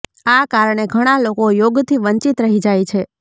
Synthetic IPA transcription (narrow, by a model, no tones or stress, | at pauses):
akaɾɳ̃eɡʱəɽ̃alokojoɡt̪ʰiʋəɲt͡ʃit̪ɾəɦid͡ʒajt͡ʃʰe